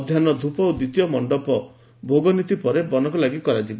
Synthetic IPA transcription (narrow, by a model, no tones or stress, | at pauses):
d̪ʱjanɔd̪ʱupɔud̪it̪ijɔmɔɳɖɔpɔ | bʱoɡɔnit̪ipɔɾebɔnɔkɔlaɡikɔɾad͡ʒiba